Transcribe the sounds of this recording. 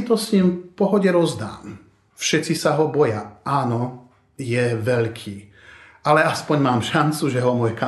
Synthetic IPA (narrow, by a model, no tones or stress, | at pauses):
t̪ɔsɲiːmpɔɦɔɟɛɾɔzd̪a̰ːm | fʃɛt͡sisaɦɔbɔjaaːnɔ | jɛʋɛʎkʰiː | alɛaspɔɲmaːmʃant͡suʒɛɦɔmɔjɛka